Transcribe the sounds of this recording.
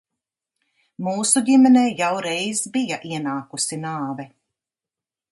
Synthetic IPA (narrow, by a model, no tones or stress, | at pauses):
muːsuɟimɛnɛːjawɾɛjzbijaʔiɛnaːkusinaːvɛ